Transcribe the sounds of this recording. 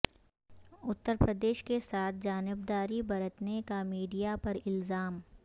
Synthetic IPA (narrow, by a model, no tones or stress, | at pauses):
ʊt̪ːəɾpɾəd̪eːʃkesaːt̪̚ʰd͡ʒaːnɪbd̪aːɾibɐɾət̪nekamiːɖijapɐɾɪlzaːm